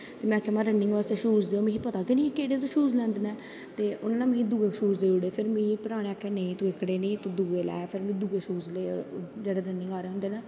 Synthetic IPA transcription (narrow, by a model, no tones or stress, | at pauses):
t̪eːmɛ̃ːkʰaːmãːɾənːɪŋɡʋaːst̪eːʃuːzd̪eːoːmẽːɦiːpət̪aːkɪnĩːkeːɽeːt̪õːʃuːzlɛ̃ːnd̪nɛː | t̪eːʔʊnãːnãːmẽĩːd̪uːɡeːʃuːzd̪eːoɽeːpʰɪɾmĩːpəɾaːɽ̃ẽːəkʰːeːnẽit̪oɪkɽeːnĩːt̪oːd̪uːɡeːlɛ̰ːpʰɪɾmĩːd̪uːɡeːʃuːzlḛːd͡ʒeːɽeːɾənːɪ̃ŋɡaːɾeːɦʊ̃nd̪eːnaː